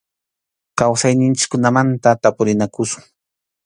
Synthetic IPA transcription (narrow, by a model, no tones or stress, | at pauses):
kawsajnɪnt͡ʃɪ̥kːʊnamant̪at̪apʊɾɪnakʊsʊ̥ŋ